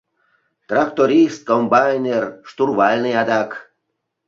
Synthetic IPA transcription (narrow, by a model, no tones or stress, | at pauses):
t̪rakt̪oɾʲist̪̚kombajnʲerʂt̪urβalʲnɨjad̪ak